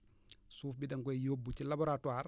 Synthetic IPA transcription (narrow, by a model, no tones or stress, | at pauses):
suːfbidɐŋɡɔjjoːbːucilabɔɾatwaːɾ